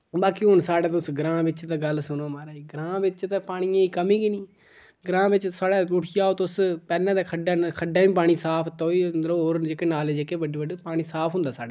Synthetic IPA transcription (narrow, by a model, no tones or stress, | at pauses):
baːkiɦʊnsaːɽaːt̪ʊsɡɾãːbɪt͡ʃt̪ãːɡəlsʊnoːmaːɾaːiːɡɾãːbɪt͡ʃt̪ãːpaːɽ̃ɪjãːiːkəmĩːɡiniː | ɡɾãːbɪt͡ʃsaːɽaːʊʈʰɪjaːoːt̪ʊspɛːlːãːd̪aːkʰəɖaːkʰəɖaːʋĩːp̬aːɽ̃iːsaːpʰt̪aoːiːɾoːoːɾd͡ʒekːeːnaːleːd͡ʒekeːʋəɖiːʋəɖeːpaːɽ̃iːsaːpʰɦʊ̃nd̪aːsaːɖaː